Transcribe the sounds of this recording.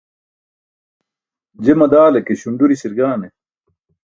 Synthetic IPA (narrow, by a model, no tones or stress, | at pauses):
d͡ʑemɐd̪aːlɐkeɕuɳɖuɾiɕiɾɡaːne